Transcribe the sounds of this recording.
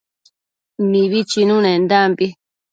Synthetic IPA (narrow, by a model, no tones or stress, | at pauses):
mĩβit͡ʃinũnẽnd̪ambi